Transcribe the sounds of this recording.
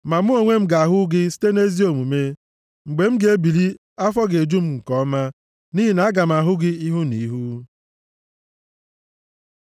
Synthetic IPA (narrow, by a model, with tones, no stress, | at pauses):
ma˨mu˦o˨ŋʷe˦m̩˦ɡa˨a˨ɦʊ˦ɡɪ˦si̥˦te˦ne˦zi˦o˨mu˨me˦ | ŋ͡m̩˨ɡ͡be˨m̩˦ɡe˦bi˨li˦ | a˦fɔ˦ɡe˨d͡ʒu˦m̩˦ŋ̩˨kɔ˦ma˦ | ni˦ɦi˦na˨a˦ɡa˨m̩˨a˨ɦʊ˦ɡɪ˦i˦ɦu˦ni˨˦ɦu˦